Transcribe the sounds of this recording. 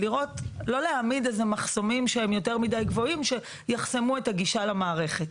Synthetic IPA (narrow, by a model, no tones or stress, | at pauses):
liʁo̞tlo̞leamidezemaχso̞mimʃeemjo̞te̞ʁmidajɡvo̞imʃe̞ | jaχse̞mue̞taɡiʃalamaːʁe̞χe̞t̚